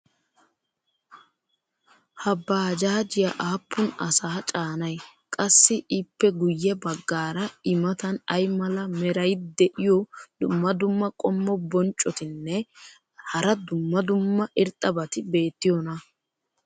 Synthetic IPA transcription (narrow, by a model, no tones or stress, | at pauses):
hɐbːaːd͡ʒaːd͡ʒɪjɐʔaːpʰːʊnɐ̰saːt͡ʃʼaːnɐjkʼɐsːɪʔɪpːɛɡʊjːɛbɐɡːaːɾɐɪmɐt̪ɐnɐjmɐlɐmɛɾɐjd̪ɛʔɪjɔd̪̥ʊmːɐd̪ʊmːɐkʼɔmːɔbɔnt͡ʃʼːɔt̪ɪnːɛ | hɐɾɐd̪ʊmːɐd̪ʊmːɐʔɪɾt̪ʼːɐbɐt̪ɪbe̞ːt̪ːɪjɔnɐ